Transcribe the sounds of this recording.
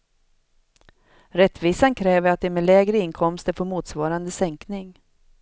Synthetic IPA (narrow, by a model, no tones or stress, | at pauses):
ɾɛt̪ːviːsankʰɾɛːvəɾat̪̚d̪ɛɾmɛlɛːɡɾəɪnkʰɔmst̪əɾfoːɾmuːt̪svɑːɾand̪əsɛŋknɪŋ